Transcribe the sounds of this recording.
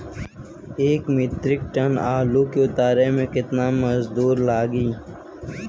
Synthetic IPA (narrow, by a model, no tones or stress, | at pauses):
eːkmɪt̪ɾɪk̚ʈənaːluːkeʊt̪aːɾemẽkɪt̪naːmɐzd̪uːɾlaːɡiː